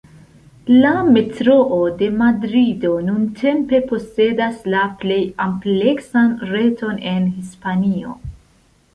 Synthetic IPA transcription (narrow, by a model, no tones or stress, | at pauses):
lame̞tɾo̞ʔode̞madɾido̞nuntʰe̞mpe̞po̞se̞daslaple̞jample̞ksanɾe̞to̞ne̞nhispanio̞̰